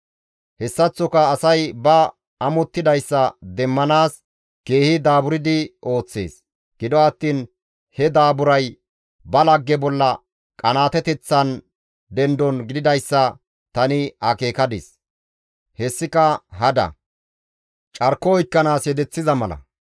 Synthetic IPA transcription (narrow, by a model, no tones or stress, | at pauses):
hɛsːɐt͡sːɔkɐːsɐjbɐ | ɐmɔt̪ːɪd̪ɐjsːɐd̪ɛmːɐnaːs | ke̞ːhɪd̪aːbʊɾɪd̪ɪʔo̞ːt͡sːe̞̰ːs | ɡ̥ɪd̪ɔɐt̪ːiːn | hɛd̪aːbʊɾɐj | bɐlɐɡːɛbɔlːɐ | kʼɐnaːt̪ɛt̪ɛt͡sːɐn | d̪ɛnd̪ɔnɡɪd̪ɪd̪ɐjsːɐ | t̪ɐnɪɐke̞ːkɐd̪ɪ̰s | hɛsːɪkɐɦɐd̪ɐ̰ | t͡ʃʼɐɾkːɔɔjkːɐnaːsjɛd̪ɛt͡sːɪzɐmɐlɐ̰